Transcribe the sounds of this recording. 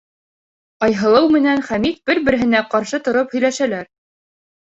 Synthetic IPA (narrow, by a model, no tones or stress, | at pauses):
ɑjɦɤ̆lˠɤwmɘ̆nænχæmit̪̚b̥ɘɾbɘ̆ɾɘ̆ɦɘ̆næqɑɾʃɤt̪ŏɾophɵ̆jlæʃælæɾ